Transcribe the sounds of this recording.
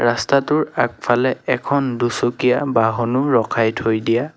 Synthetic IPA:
ɹastatʊɹak̚pʰalɛɛkʰɔndusokijabaɦɔnʊɹɔkʰajtʰojdija

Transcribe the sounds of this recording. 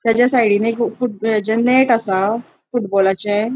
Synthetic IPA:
t̪jat͡ɕjasajɽinekfuʈd͡ʑənːeʈasa | fuʈbɔlat͡ɕɛ̃

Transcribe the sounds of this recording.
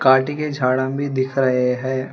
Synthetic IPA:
kaːʈiked͡ʒʱaːɽãbʱid̪ɪkʰɾɐɦeɦɛ̃ː

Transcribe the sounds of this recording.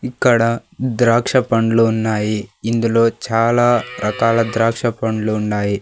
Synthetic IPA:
ikːɐɽɐd̪ɾaːkʂɐpɐɳɖluːnːaːjiind̪ulo̞ːt͡ʃaːlaːɾʔɐkaːlɐd̪ɾaːkʂɐpɐɳɖluːɳːaːji

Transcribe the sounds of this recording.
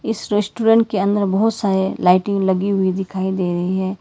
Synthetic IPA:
ɪsɾesʈuːɾɛ̃ɳʈ̚keɐ̃nd̪əɾbɐɦʊt̪saːɾelaːɪʈɪ̃ŋɡlɐɡiɦʊid̪ɪkʰaːid̪eːɾɐɦiɦɛ̃ː

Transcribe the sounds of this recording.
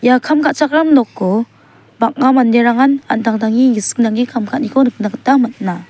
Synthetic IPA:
jakʰamkʰat̚t͡ʃak̚ɾamnɔkːɔ | bak̚ŋamandeɾaŋana̰ndaŋdaŋiɡisɯ̥k̚naŋikʰamkʰat̚nikʰɔnɯk̚naɡɯtamat̚na

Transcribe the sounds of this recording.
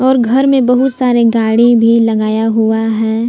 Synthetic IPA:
ɔːɾɡʱɐɾmẽbɐɦʊt̪saːɾeɡaːɽibʱilɐɡaːjaɦuaɦɛ̃ː

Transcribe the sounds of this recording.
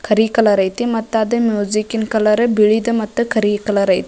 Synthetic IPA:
kʰəɾikɐlɐɾɐjt̪imɐt̪ːad̪əmjuzikinkɐlɐɾəbiɭid̪əmɐt̪ːəkʰəɾikɐlɐɾɐjt̪i

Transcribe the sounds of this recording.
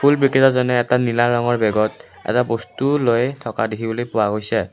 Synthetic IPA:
pʰulbɹikɛtɔzɔnɛːtanilaɹɔŋɔɹbɛɡɔt̚ | ɛ̰tabɔstulojtʰɔka̰dikʰibɔlojpʊwaɡojsɛ

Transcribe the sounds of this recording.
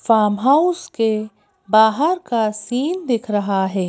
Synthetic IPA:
faːmɦaʊske | baːɦəɾkasiːnd̪ɪkʰɾɐɦaɦɛː

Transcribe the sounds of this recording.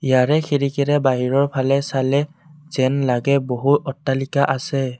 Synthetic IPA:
ijaɹɛxʰiɹikɛɹɛbaɦiɹɔɹpʰalɛsalɛz̥ɛnlaɡɛboɦutɔtːalikaʔasɛ

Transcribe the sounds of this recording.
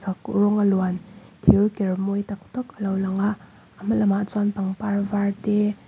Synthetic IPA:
akuɾɔŋalwankʰiɾkeɾmojtak̚tɔklawlaŋaː | mɐlɐmat͡ʃanpaŋpaɾbaɾte

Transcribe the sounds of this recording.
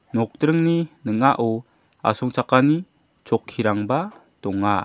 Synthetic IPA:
nɔk̚tɾɯŋninəŋaʔɔ | a̰sɔŋt͡ʃakani | t͡ʃɔkʰːiɾaŋba | tɔŋa

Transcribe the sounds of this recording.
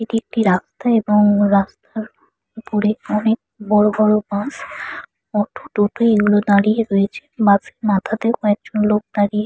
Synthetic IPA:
eʈiek̚ʈiɾast̪aeboŋɾast̪aɾ | poɾeɔnek̚ | bɔɾobɔɾobãs | ɔʈʰu̥ʈ̪oʈʰoeɡulod̪aɾieɾojet͡ɕʰe̥mãsemat̪ʰad̪ekoɛk̚d͡ʑonlok̚d̪aɾie

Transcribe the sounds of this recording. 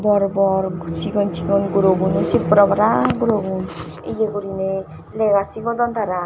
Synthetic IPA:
bɔɾbɔɾsikɔnt͡ʃʰikɔnɡuɾoɡunusipɾɔbaɾaɡuɾoɡun | ḛɡeɡuɾine | leɡasikɔd̪ɔnt̪aɾa

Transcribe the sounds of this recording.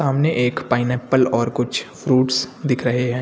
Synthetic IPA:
aːmneʔeːkpaːɪnɛːpːəlɔːɾkʊt͡ʃʰfɾuːʈsd̪ɪkʰɾɐɦeɦɛ̃ː

